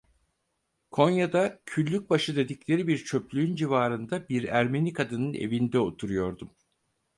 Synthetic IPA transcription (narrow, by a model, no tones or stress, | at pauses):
kʰo̞njad̪acʰylʲːyc̚baʃɯd̪e̞d̪iclʲe̞ɾibiɾt͡ʃʰø̞plʲyynd͡ʒivaːɾɯnd̪abiɾæɾme̞nikʰad̪ɯnɯnḛvind̪ɛo̞t̪ʰuɾujo̞ɾd̪um